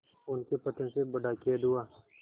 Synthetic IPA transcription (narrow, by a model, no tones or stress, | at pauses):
ʊnkepɐt̪ənsebɐɖakeːd̪ʊaː